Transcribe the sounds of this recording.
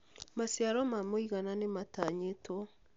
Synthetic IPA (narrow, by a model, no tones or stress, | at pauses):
masjaɾɔmamoiɣananemataɲetɔ